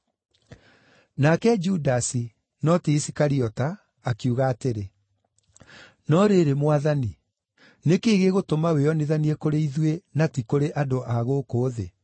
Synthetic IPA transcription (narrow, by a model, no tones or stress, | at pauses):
nakɛd͡ʒudasi | nɔteisikaɾiɔtaː | kuɣaːteɾe | nɔɾeɾemwaðani | nekeːɣeɣotomaweɔneðaniekoɾeiðwenatikoɾeʔadoʔaɣokoːðe